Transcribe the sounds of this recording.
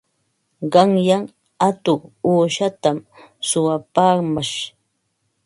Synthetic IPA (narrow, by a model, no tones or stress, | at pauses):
ɢɑŋjaŋ | at̪ʊːʃat̪amsʊwapaːmaʃ